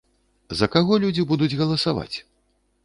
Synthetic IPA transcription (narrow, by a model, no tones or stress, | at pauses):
zɐkaɣɔlʲud͡zʲibud̪ud͡zʲɣɐlˠɐsava̰t͡sʲ